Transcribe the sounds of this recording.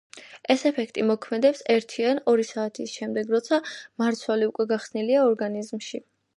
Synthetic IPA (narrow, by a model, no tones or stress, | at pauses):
ɛsɛpʰɛkʰt̪ʼimɔkʰmɛd̪ɛpsɛɾt̪ʰianɔɾisaːt̪ʰisʃɛmd̪ɛɡɾɔt̪sʰamaɾt̪sʰwaliukʼwɛɡaχsniliaɔɾɡanizmʃi